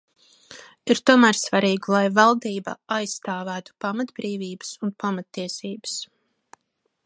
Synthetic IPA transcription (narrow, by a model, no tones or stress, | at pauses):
iɾt̪uɔmæːɾsvaɾiːɡulˠajvalˠd̪iːba̰ajst̪aːvæːt̪u̥pamat̪bɾiːviːbə̥sunpamat̪ːiɛsiːbə̥s